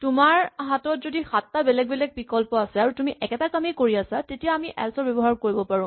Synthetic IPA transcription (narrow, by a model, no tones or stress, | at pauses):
tumaɹɦatɔtzodixatːabɛlɛk̚bɛlɛk̚pikɔlpɔasɛaɹutumiʔɛkɛtakamikoɹiasatetijaamiʔɛ̰lsɔɹbɛbɔɦaɹkoɹibɔpaɹʊ̃